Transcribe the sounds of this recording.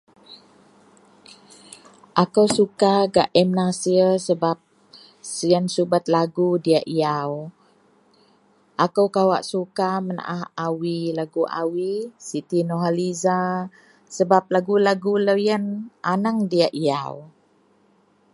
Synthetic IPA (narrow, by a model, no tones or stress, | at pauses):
ʔakəwsukaɡaʔɛmnasiəsəbap̚ | səjənsubat̪̚laɡudiaʔiaw | ʔakəwkawaʔsukaməna̰ʔahawilaɡuʔa̰wisit̪inoɦaliza | səbap̚laɡulaɡuləjənʔanaŋdiaʔiaw